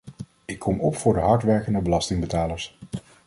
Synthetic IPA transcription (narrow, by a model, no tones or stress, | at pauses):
ɪkʰːɔmɔpfʊːɹdəɦɑɹtʋɛɹkəndəbəlɑstɪŋbətaːləɹs